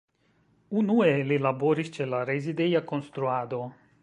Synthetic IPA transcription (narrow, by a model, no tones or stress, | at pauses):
unuelilabo̞ɾist͡ʃe̞laɾezidejako̞nst̪ɾuad̪o̞